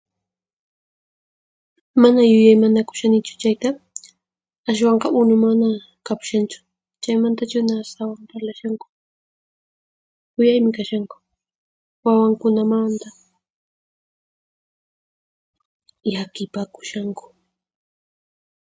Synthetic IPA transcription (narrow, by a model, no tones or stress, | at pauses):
manajʊjajmanakʊ̥ʃanɪt͡ʃʊ̥t͡ʃajt̪a | aʃ̬wɑɴqɑʔʊnʊmana | kapʊ̥ʃant͡ʃʊ̥ | t͡ʃajmant̪at͡ʃʊnaːst̪awampaɾlaʃaŋkʊ̥ | kʊjajmɪkaʃaŋkʊ̥ | wawaŋkʊnamant̪a | jakɪpakʊ̥ʃaŋkʊ̥